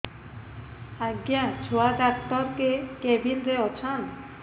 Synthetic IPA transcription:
aɡjat͡ʃʰoadakt̪ɔɾkekɛbilɾeɔt͡ʃʰan

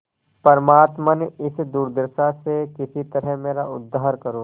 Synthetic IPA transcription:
pɐɾmaːt̪mənɪsd̪uːɾd̪ɪɾʃasekɪsit̪ɐɾɛɦmeːɾaʊd̪ːaːɦəɾkɐɾoː

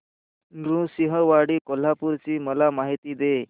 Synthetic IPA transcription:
nɾũsiɦəʋaɽiːkol̤apuɾt͡ɕiːməlamaɦit̪iːd̪e

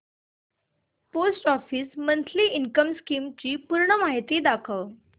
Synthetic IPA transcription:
posʈɔfiːsmənt̪ʰliːiŋkəmskimt͡ɕiːpuɾɳəmaɦit̪iːd̪akʰəʋ

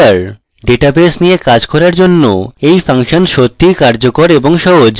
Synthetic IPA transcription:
aɾ | ɖeʈabesnijekad͡ʑkɔɾaɾd͡ʑonːo̰ejfaŋʃonʃot̪ʰːikaɾd͡ʑokoɾeboŋʃɔɦod͡ʑ

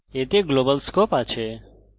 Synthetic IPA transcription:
et̪eɡlobəlskopat͡ʃʰe

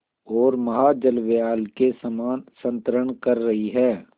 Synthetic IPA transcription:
ɔːɾmɐɦad͡ʒəlʋejaːlkesɐmaːnsə̃nt̪ɾəɳ̃kɐɾːɐɦiɦɛː

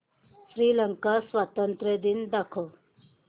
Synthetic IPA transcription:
sɾiːləŋkasʋat̪ənt̪ɾed̪ind̪akʰo

